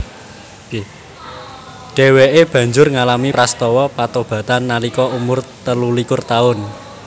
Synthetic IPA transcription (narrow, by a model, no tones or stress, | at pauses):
ɖ̥ɛ̤weʔeb̥ä̤ɲd͡ʒʊrŋalamipɾast̪ɔwɔpat̪ob̥ä̤t̪anːalikɔumʊrt̪əlulikʊrt̪aʊn